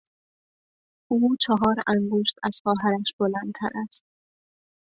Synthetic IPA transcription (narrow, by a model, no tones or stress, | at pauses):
uːt͡ʃʰɒɦɒːɾæŋɡoʃt̪æz̥xɒːɦæɾæʃb̥olænd̪̚t̪ʰæ̰ɾæst̪̚